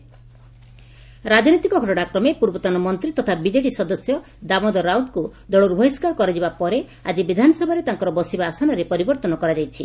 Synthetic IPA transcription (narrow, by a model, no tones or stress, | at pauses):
ɾad͡ʒnit̪ikɔɡʱɔʈɔɽ̃akɾɔmepuɾbɔt̪anɔmɔnt̪ɾit̪ɔt̪ʰabid͡ʒeʈisɔd̪ɔsjɔ | d̪amɔd̪ɔɾawnd̪kud̪ɔɭuɾbʱɔjskakɔɾed͡ʒibapɔɾe | ad͡ʒibid̪ʱanɔsɔbʱaɾet̪aŋkɔɾɔbɔsibaːsanɔɾepɔɾibɔɾt̪ɔnɔkɔɾad͡ʒajt͡ʃʰi